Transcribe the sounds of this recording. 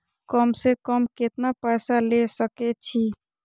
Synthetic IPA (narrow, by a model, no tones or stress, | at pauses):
kəmsekəmket̪napəjsalesəkɛt͡ʃʰi